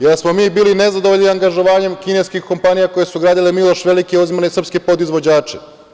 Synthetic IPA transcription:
jesmo̞miːbiːline̞zad̪oʋoʎʲniaŋɡaʒo̞ʋaːɲe̞mkine̞skixko̞mpanijako̞jesuɡɾaːd̪ilemilˠo̞ʃʋe̞likeozimanesr̩pskepo̞d̪izʋo̞d͡ʑaːt͡ʃe

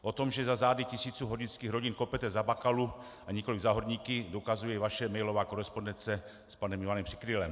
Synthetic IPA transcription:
ʔot̪o̞mʒɛzazaːdɪcɪsiːt͡suːɦoɟinskiːxɾo̞ɟinkopɛt̪ɛzabakalu | ʔaɲɛkolɪɡzaɦoɾɲiːkɪdokazujɛvaʃɛmɛjlo̞vaːko̞ɾɛspondɛnt͡sɛ | spanɛmɪvanɛmpr̥i̥kɾɪlɛm

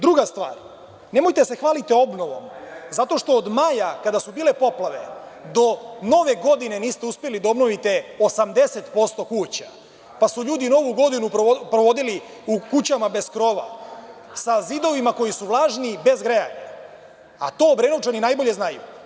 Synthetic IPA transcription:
d̪ɾuɡast̪ʋa̰ːɾ | ne̞mojt̪ease̞xʋaːlit̪eo̞bno̞ʋo̞̰mzat̪o̞ʃt̪o̞ːd̪majakad̪asubiːle̞po̞plˠaʋed̪o̞no̞ʋe̞ɡo̞d̪ine̞niːst̪e̞uspjelid̪ao̞bnoʋit̪e̞osamd̪e̞se̞t̪po̞st̪o̞kuːt͡ɕa | pasuʎuːd̪ino̞ʋuɡo̞d̪inupɾoʋo̞d̪ili | ukut͡ɕamabe̞skɾo̞ʋa̰ | sazid̪o̞ʋimako̞jisuʋlˠaːʒnibe̞zɡɾeja̰ɲa̰ | a̰t̪o̞ːbɾenoʋt͡ʃaninaːjbo̞ʎe̞znajṵ

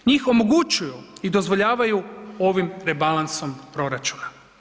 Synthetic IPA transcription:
ɲiːxo̞mo̞ɡut͡ʃujuid̪o̞zʋo̞ʎaːʋajuo̞ʋimɾe̞balˠanso̞mpɾo̞ɾat͡ʃuna

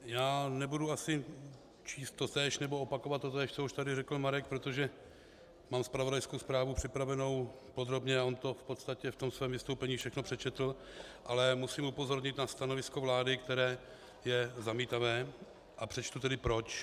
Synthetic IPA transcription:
jaːnɛbuduasɪ | t͡ʃiːst̪ːot̪ɛːʃnɛboopako̞vat̪ːot̪ɛːʃt̪souʃt̪adɪrɛkl̩maɾɛk̚pɾot̪o̞ʒɛ | maːmspɾavo̞dajskowspɾaːvupr̝̥ɪpɾavɛno̞w | pod̪ɾo̞bɲɛaʔo̞nt̪o̞fpo̞t̪st̪acɛft̪o̞msvɛːmvɪst̪owpɛɲiːfʃɛxnopr̥ɛt͡ʃɛt̪l̩ | ʔalɛmusimupo̞zo̞ɾɲɪt̪nast̪anovɪsko̞vlaːdɪkt̪ɛɾɛː | jɛzamiːt̪avɛː | ʔapr̥ɛt͡ʃt̪ut̪ɛdɪpɾo̞t͡ʃ

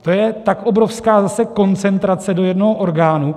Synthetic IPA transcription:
t̪o̞jɛt̪akʔo̞bɾo̞fskaːzasɛko̞nt͡sɛnt̪ɾat͡sɛdo̞jɛdno̞ɦoʔo̞ɾɡaːnu

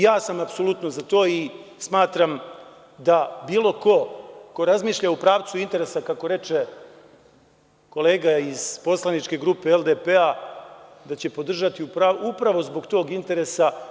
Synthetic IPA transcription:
jaːsamapso̞lut̪nozat̪o̞ːismaːt̪ɾam | d̪abiːlˠo̞ko̞ko̞ɾazmiːʃʎaupɾaːʋt̪suint̪e̞ɾe̞sakako̞ɾe̞t͡ʃe | ko̞leːɡaiz̥po̞slˠanit͡ʃke̞ɡɾuːpe̞elˠd̪epea | d̪at͡ɕe̞po̞d̪r̩ʒat̪iupɾaupɾaʋo̞zbo̞ɡt̪o̞ːɡint̪e̞ɾe̞sa

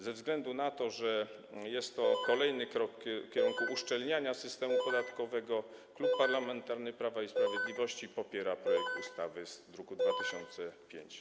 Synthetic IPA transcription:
zɛvzɡlɛnd̪unat̪ɔʐɛ | jɛst̪ːɔkɔlɛjnɘkɾɔkfkʲɛɾuŋkuʔuʂt͡ʂɛlɲaɲasɘst̪ɛmupɔd̪at̪kɔvɛɡɔ | klupːaɾlamɛnt̪aɾnɘpɾavaispɾavʲjed̪lʲivɔɕt͡ɕipɔpʲjɛɾapɾɔjɛk̚t̪ust̪avɘzd̪ɾukud̪vat̪ɘɕɔnt̪sɛpʲjḛɲt͡ɕ

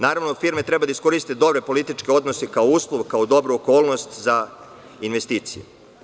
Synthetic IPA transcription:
naːɾaʋnofiːɾmet̪ɾe̞bad̪aisko̞ɾist̪ed̪o̞bɾe̞po̞lit̪it͡ʃkeo̞d̪nosekaouːslˠoʋkaod̪o̞bɾuoko̞ːlˠno̞st̪za | inʋest̪iːt̪sijḛ

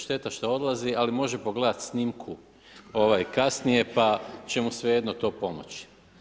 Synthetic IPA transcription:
ʃt̪e̞t̪aʃt̪ao̞d̪lˠazialimo̞ʒe̞po̞ɡle̞d̪at̪snimkʰu | o̞ʋajkasnije̞pat͡ɕe̞musʋeje̞d̪not̪o̞ːpo̞mot͡ɕi̥

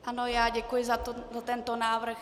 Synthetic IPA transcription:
ʔanojaːɟɛkujɪzat̪zat̪ɛnt̪onaːvr̩x

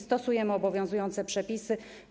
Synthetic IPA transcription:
st̪ɔsujɛmɘɔbɔvʲjɔ̃w̃zujɔnt̪sɛpʂɛpʲisɘ

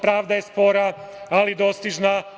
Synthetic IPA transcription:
pɾaːʋd̪ajespo̞ɾa | alid̪o̞st̪iʒna

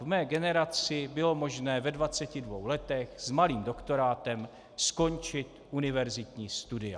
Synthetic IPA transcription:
vmɛːɡɛnɛɾat͡sɪbɪlo̞mo̞ʒnɛːvɛdvat͡sɛcɪdvo̞̰wlɛt̪ɛxz̥maliːmdo̞kt̪o̞ɾaːt̪ɛm | sko̞nt͡ʃɪt̪ʔunɪvɛɾzɪt̪ɲiːst̪udɪa̰

